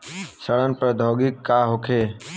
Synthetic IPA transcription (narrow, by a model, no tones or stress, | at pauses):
səɭənpəɾd̪ʱoːɡɪkːaːɦokʰeː